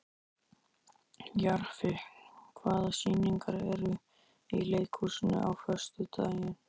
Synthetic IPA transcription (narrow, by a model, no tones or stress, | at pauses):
jaɾ̥fɪhlkʰvaːðasiːniŋkaɾɛɾʏ | ileːjkʰhusɪnʏ̰ʔawfœ̥st̪ʏt̪ʰa̰ːjɪn